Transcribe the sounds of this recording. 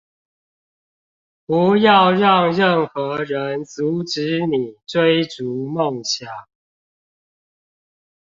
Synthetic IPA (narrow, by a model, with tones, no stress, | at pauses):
pu˨˦jɑ˥˨ʊɻɑ˥˨ŋɻə˥˨nxɤ˨˥ɻə˦nt͡su˨˦ʈ͡ʂɻ̩˨˦ni˨˩t͡swe˦ɪʈ͡ʂu˨˦mo˥˨ŋɕja˨˩˦ŋ